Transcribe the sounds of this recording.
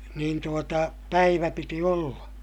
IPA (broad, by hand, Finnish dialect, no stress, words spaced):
niːn tuotɑ pæiʋæ piti olːɑ